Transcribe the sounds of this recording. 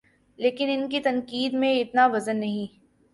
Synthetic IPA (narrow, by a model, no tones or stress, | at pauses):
leːkɪnɪnkit̪ɐnkiːd̪mẽɪt̪naʋɐzənːɐɦĩː